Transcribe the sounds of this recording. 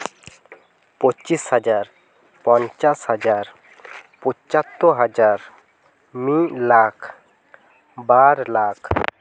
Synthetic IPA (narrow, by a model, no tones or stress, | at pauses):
pot͡ʃishad͡ʒaɾ | pɔnt͡ʃashad͡ʒaɾ | pɔt͡ʃat̪ːoɦad͡ʒaɾ | milakʰ | baɾlakʰ